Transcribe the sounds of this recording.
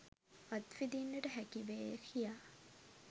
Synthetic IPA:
ʋat̪fid̪inːəʈəɦækiʋeːjəkʰijaː

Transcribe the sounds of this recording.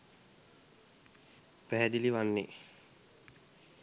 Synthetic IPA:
pæɦɛd̪iliʋanːe

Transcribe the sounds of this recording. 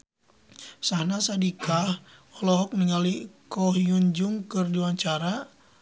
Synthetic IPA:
sahnasadikʰahɔlɔɦɔk̚niŋalikɔɦjuɲd͡ʒuŋkɨrdiwaɲt͡ʃaɾa

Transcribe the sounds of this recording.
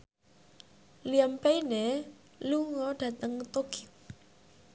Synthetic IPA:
liampejne | luŋɔɖ̥ä̤t̪əŋt̪oki

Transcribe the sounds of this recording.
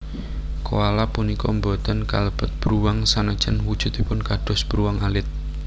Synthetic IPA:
koalapunikɔmbɔt̪ənka̰ləb̥ɔ̤t̪̚b̥ɾuwaŋsanəd̥ʒ̥ənwud̥ʒ̥ṳt̪̚ipʊnkaɖ̥ɔ̤sb̥ɾuwaŋalɪt̪̚

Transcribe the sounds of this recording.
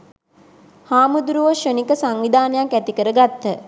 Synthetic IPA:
haːmud̪uɾuʋəʃənikəsaŋʋid̪ʱaːnəjaŋkæt̪ikəɾəɡat̪ːə

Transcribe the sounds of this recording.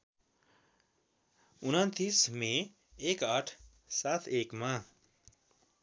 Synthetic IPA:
unʌnt̪ismẽ | ekʌʈʰ | sat̪ʰekma

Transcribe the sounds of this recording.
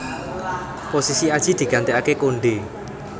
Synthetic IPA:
posisiad̥ʒ̥i̤d̪̥i̤ɡ̥ant̪eakekoɳɖe

